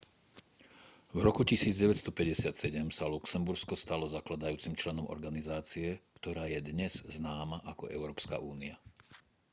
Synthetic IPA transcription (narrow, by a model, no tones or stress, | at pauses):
vɾɔkucisiːd͡zɟɛʋɛcst̪ɔpɛɟɛsɪat̪sɛɟɛmsaluksɛmbuɾskɔst̪alɔzaklad̪ajuːt͡simt͡ʃlɛnɔmʔɔ̰ɾɡanizaːt͡siɛkt̪ɔɾaːjɛd̪ɲɛz̥znaːmaʔakɔ̰ʔɛ̰ʊɾɔːpska̰ʔuːnia